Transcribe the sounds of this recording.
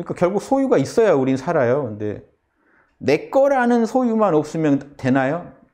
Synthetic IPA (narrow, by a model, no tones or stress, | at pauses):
ɲik͈akjʌɭɡuk̚sʰojuɡais͈ʌjouɾinnsʰaɾajokɯndḛ | ne̞k͈ʌɾanɯnsʰojumanʌp̚s͈ɯmjʌnte̞najo